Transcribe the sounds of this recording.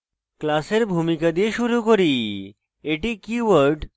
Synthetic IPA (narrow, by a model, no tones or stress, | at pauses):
klaseɾbʱumikad̪ieʃuɾukoɾi | eʈikiʋəɾɖ